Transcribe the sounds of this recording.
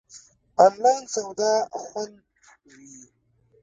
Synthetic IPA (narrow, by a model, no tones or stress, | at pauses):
anlɑjnsawd̪axwan | wi